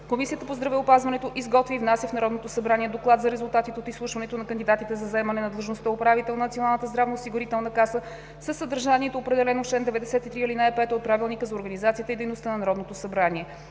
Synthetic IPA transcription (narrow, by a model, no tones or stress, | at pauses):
komisijət̪əpozd̪ɾɐvɛopazvɐnɛt̪oʔizɡɔt̪viːvnasʲjəfnɐɾɔd̪not̪osɐbɾaniɛd̪oklˠat̪zɐɾɛzʊlˠt̪at̪it̪ɛot̪islˠuʃvɐnɛt̪onɐkənd̪id̪at̪it̪ɛzɐzɛmɐnɛnɐd̪lˠəʒnost̪əopɾavit̪ɛlˠnɐnɐt̪ionalˠnət̪əzd̪ɾavnoosiɡʊɾit̪ɛlˠnəkasə | səsːəd̪əɾʒaniɛt̪oːpɾɛd̪ɛlɛnot͡ʃɛnd̪ɛvɛd̪ɛsɛt̪it̪ɾiilinajpɛt̪ot̪̚pɾavilˠnikəzɐoɾɡənizat̪sijət̪əid̪ɛjnost̪ənɐnɐɾɔd̪not̪osɐbɾaniɛ